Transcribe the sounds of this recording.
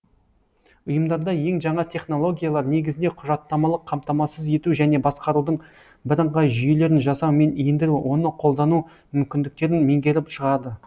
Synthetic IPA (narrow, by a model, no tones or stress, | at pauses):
ʊjəmd̪ɑɾd̪ɑje̞ŋʒɑɴɑt̪ʲʰe̞χno̞lˠo̞ɡʲijalˠɑɾne̞ɡʲɪzɪnd̪e̞qʰʊʒɑt̪ːɑmɑlˠəqʰːɑmt̪ɑmɑsəze̞t̪uʒæne̞bɑsqɑɾud̪əɴ | bɪɾəɴʁɑjʒʏje̞le̞ɾɪnʒɑsɑwme̞nijɪnd̪ɪɾuwʔo̞nəqʰo̞lˠd̪ɑnu | mʏmkʲɪnd̪ɪk̚t̪e̞ɾɪnme̞ŋɡʲe̞ɾɪpʃəʁɑɾd̪ə